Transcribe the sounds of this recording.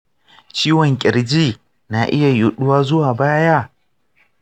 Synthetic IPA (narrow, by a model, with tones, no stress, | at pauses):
t͡ʃiː˦wɔ˨ŋkʲʼɪ˨ɾd͡ʒiː˦˨ | na˨ʔɪ˦ja˨jʊ˨ɗʊ˦waː˦zʊ˦waː˨baː˦ja˦˨